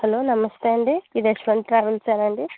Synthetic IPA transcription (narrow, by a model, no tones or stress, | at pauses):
hɐloːnɐmɐst̪eɐɳɖiid̪ɐʃʋɐnd̪t̪ɾaːʋelt͡ʃaːnɐɳɖi